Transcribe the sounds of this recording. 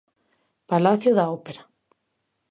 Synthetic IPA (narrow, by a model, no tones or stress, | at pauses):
palaθjoðaopeɾa